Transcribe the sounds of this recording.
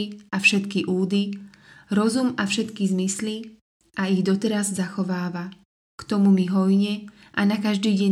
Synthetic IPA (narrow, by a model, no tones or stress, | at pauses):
iafʃɛt̪kiʔuːd̪iɾɔzumafʃɛt̪kizmisli | aiɣd̪ɔt̪ɛɾazzaxɔʋaːʋa | kt̪ɔmumiɦɔjɲɛ | ʔanakaʒd̪iːɟɛ